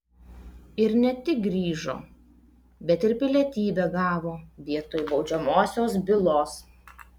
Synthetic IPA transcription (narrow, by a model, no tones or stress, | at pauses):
ɪɾnʲɛt̪ʲɪk̚ɡɾʲiːʒo̰ː | bʲɛt̪ɪɾpʲɪlʲɛt̪ʲiːbʲɛɡɑːʋoːʋʲiɛt̪oːjbɒʊd͡ʒʲɛmoːsʲoːsbʲɪlˠoːs